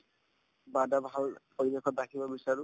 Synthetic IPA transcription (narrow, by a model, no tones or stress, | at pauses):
badabʱalpoɹibekɔt̚dakʰibɔbisaɹʊ